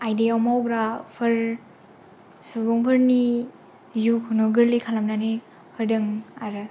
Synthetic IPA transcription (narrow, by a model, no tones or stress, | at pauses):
ajdiawmawɡɾapʰɯɾ | subɔŋpʰɯɾni | zukʰunɯɡɯɾlikʰalamnani | pʰɯɾdɯŋaɾɯ